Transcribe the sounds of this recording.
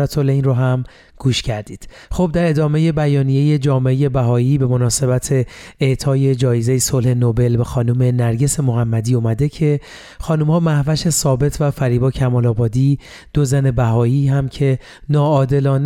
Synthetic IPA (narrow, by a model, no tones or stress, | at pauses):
ɾæt̪ʰolejnroɦæm | ɡ̥uːʃcʰæɾd̪iːd̪̥ | xob̚d̪æɾe̞d̪ɒːme̞je̞bæjɒːnije̞je̞d͡ʒɒːmeeje̞bæɦɒːiːbe̞mo̞nɒːse̞bæt̪ʰe̞eʔt̪ʰɒːje̞d͡ʒɒːjeze̞jesolhe̞nobe̞lbe̞xɒːnume̞næɾɟe̞se̞moɦæmːæd̪iːumæd̪e̞cʰe̞ | xɒːnumhɒːmæhvæʃe̞sɒːbe̞t̪ʰvæfæɾiːbɒːcʰæmɒːlɒːbɒːd̪iː | d̪̥ozæne̞bæɦɒːiːɦæmcʰe̞ | nɒːɒːd̪e̞lɒːn